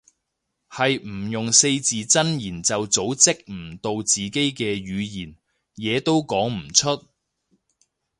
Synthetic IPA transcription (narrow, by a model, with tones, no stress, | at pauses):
hɐ˨jm̩˨˩jʊ˨ŋse˧jt͡siː˨t͡sɐ˥njiː˨˩nt͡sɐ˨wt͡so˨˥wt͡sɪ˥k̚m̩˨˩t̪o˧wt͡siː˨ke˥jkɛː˧ɥyː˨˧jiː˨˩n | jɛː˨˧t̪o˥wkɔː˨˥ŋm̩˨˩t͡ʃʰɵ˥t̚